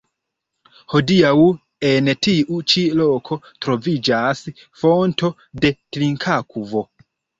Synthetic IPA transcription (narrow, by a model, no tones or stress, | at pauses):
ho̞diaw | entiʔut͡ʃilokʰo̞ | tɾo̞vid͡ʒas | fonto̞ | de̞tliŋkʰakuvo̞